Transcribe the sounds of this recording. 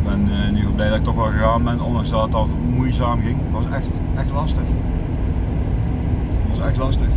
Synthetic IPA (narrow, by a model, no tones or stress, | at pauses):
bɛnnyvəblɛjdɔtɪktoxʋɛlˠɣəɣaːnbɛnondɑŋsdɔtətɑnvmujzaːmɣɪŋtʋɑsɛxt | ɛxtlɑstəx | tʋɑsɛxtlɑstəx